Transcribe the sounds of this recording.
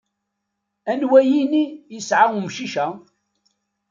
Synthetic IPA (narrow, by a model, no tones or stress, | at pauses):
ænwæjinijəsʕaʊmʃiʃæ